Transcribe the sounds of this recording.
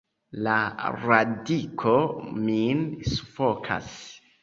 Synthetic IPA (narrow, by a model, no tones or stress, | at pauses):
laɾadikʰominsufokʰa̰s